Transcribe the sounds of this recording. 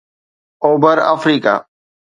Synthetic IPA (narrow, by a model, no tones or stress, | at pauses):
oːbəɾa̰fɾiːka̰ː